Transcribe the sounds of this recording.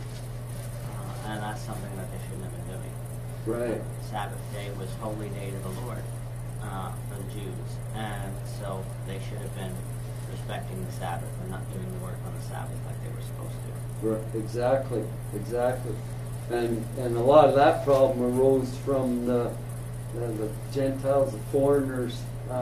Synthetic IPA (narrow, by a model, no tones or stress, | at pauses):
ɨ̃nðætsʌ̃mθɪ̃ŋðɨt̪̚ðeɪʃɨdⁿn̩ɨbɨ̃ndʉɪ̰̃ŋ | ɹaɪt̚ | sæbɨθd̥eɪwʌz̥hoʊlˠideɪɾʌvðəlɔɹd | fəðɨd͡ʒʉ | z̥ | ɨ̃n | soʊ | ðeɪʃʊɾɨvbɪ̃n | ɹɨspɛk̚tɪ̃ŋðɨsæ̰bɨθə̃nət̚d̥ʉɪ̃ŋðəwɜ˞kn̩ðəsæ̰bɨθlaɪk̚ðeɪwə˞sə̥pʰo̰ʊz̥tʰɨ | ɹaɪɾɨɡzæk̚tʰˡli | ɨɡzæk̚tʰˡli | ɨ̃n | ɨ̃nəlɔɾʌvðət̚pʰɹ̥ɑbləməɹoʊz̥fɹʌ̃mðə | ðə | d͡ʒɛ̃ntʰaɪlˠzəfɔɹɨnə˞z̥